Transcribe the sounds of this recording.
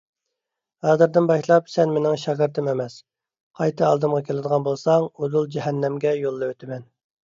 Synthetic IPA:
hɑːzɨɾd̪ɪnbɑʃlˠɑpsɛnmenɪŋʃɑʁɡɨɾt̪ʰɨmemɛs | qʰɑjt̪ʰɨɑlˠd̪ɨmʁɑkʲʰelɪd̪əʁɑnbolˠsɑŋud̪ulˠd͡ʒɛɦɛnːɛmɡʲɛjolˠːɨwøt̪ʰɪmɛn

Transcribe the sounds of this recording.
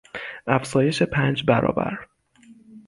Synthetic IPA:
ʔæfzɒːje̞ʃe̞pʰæːnd͡ʒbæɾɒ̰ːbæ̰ɾ

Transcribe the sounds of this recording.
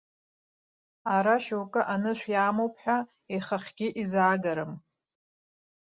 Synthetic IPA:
aɾaʃowkʼɨʔanɨʃᶣʷjaːmowpʰħʷᶣa | eχəχʲɡʲɪʔizaːɡaɾɨm

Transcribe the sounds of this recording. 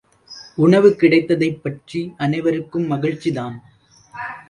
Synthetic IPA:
ʊɳɐʋɯkɪɽɐɪt̪ːɐðɐɪpːɐʈriʔɐnɐɪʋɐɾɯkːɯmːɐɣɪɻt͡ʃːiðaːn

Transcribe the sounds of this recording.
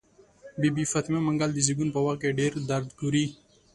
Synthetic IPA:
bibifat̪imamaŋɡald̪iziɡunpəwaqkeɖeɾd̪aɾd̪ɡuɾi

